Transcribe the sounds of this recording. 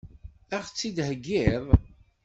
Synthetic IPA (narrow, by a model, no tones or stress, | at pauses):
æχt͡sːid̪ɦəɡːɪðˤ